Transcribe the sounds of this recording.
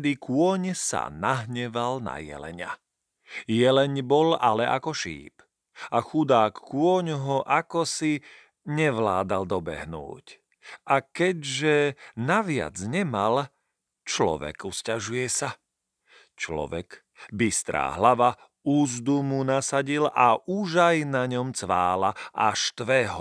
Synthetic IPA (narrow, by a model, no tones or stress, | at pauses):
d̪ikʊɔɲsa̰naɦɲɛʋalna̰jɛ̰lɛ̰ɲa̰ | jɛlɛɲbɔlalɛʔakɔʃḭːp | axud̪aːkːʊɔɲɦɔʔakɔsi | ɲɛʋlaːd̪ald̪ɔbɛ̰ɦnṵːc | ʔakɛɟʒɛnaʋɪa̰d͡zɲɛmal | t͡ʃlɔ̰ʋɛ̰kuscaʒujɛsa | t͡ʃlɔ̰ʋɛ̰k | bist̪ɾa̰ːɦlaʋa | uːzd̪umunasaɟilʔaʔuʒajnaɲɔmt͡sʋa̰ːlaʔaʃt̪ʋɛɦɔ